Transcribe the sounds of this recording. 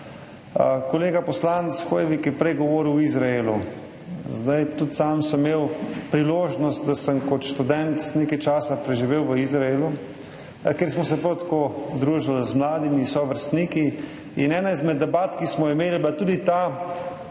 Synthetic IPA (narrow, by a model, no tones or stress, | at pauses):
kɔleːɡapɔslanɛt̪sxojɛʋikjɛpɾɛjɡɔʋoːɾiwizɾaelu | zd̪ajt̪ut̪saːmsəmːeːwpɾiloːʒnɔst̪̚d̪asəmkɔt̪ʃt̪ud̪ɛnt̪neːkajt͡ʃaːsapɾɛʒiʋeːwʋəizɾaeːlu | keɾsmɔsɛpɾowt̪ḁkod̪ɾuːʒalzmlaːd̪imisɔʋəɾst̪niːki | inɛːnaizmɛd̪ːɛbaːt̪kismɔimeːliblat̪uːd̪it̪a